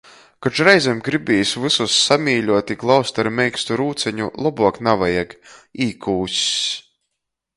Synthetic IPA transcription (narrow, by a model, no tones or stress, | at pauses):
kat͡ʃɾɛjzʲɛmɡɾibʲijsʲvɨsusːamʲiːʎʲuɔt̪ʲiɡlˠawst̪aɾmʲɛjkst̪uɾuːt̪sɛɲulˠɔbuɔknavajaɡiːkʰuːsʲs